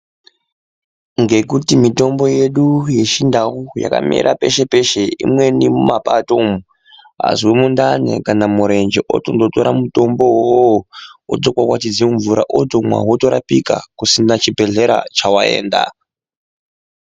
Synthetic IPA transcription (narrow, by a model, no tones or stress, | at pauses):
ŋɡe̞kutimito̞mbo̞je̞ɗuje̞ʃindawuja̰ka̰mḛɾʔape̞ʃe̞pe̞ʃeḭmwe̞nimumapatomu | ɦa̰zwemundane̞̰kanamuɾe̞nd͡ʒeʔo̰tondoto̞ɾamuto̞mbo̞ɦooo̰d͡zokwakwatid͡zeɱvuɾaʔotomwa̰ɦoto̞ɾapika̰kusinat͡ʃibʱe̞ɮe̞ɾa̰t͡ʃawae̞̰ːnda̰